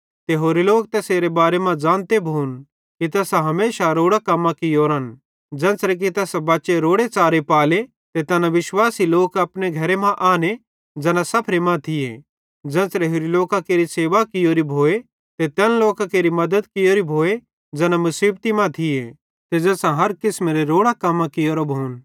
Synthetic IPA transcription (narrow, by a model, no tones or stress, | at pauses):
t̪eɦoːɾiloːkt̪ɛseːɾebaːɾemãd͡ʒãːnt̪ebʱoːn | kit̪ɛːsaɦɐmeːʃaɾoːɽakɐmːãkijoːɾən | d͡ʒɛ̃ːsɾɛk̬it̪ɛːsbaːʃeɾoːɽet͡ʃaːɾepaːle | t̪et̪ɛːnaʋɪʃwaːsiloːkɐpneɡʱɐɾemãʔaːne | d͡zɛːnãsɐpʰɾemãt̪ʰɪje | d͡ʒɛ̃ːsɾeɦʊɾiloːkakeːɾiseːʋakɪjoːɾibʱoːe | t̪et̪ɛːnloːkãkeːɾimɐd̪əd̪kɪjoːɾibʱoːe | d͡zɛːnamʊsiːbt̪imãt̪ʰɪje | t̪ed͡zɛːsãɦɐɾkɪsmeɾeɾoːɽakɐmːãkɪjoːɾobʱoːn